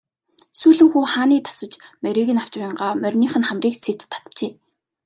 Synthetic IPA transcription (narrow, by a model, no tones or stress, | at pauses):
suːɮɘ̆ŋxuːχaːniːt̪ʰḁsə̆t͡ɕmœɾʲiːɣɘ̆naw̥t͡ɕ̆ɪ̆ɴɢaːmœrʲniːχə̆nχæmriːksʰet̪ʰːḁt̪ət͡ɕeː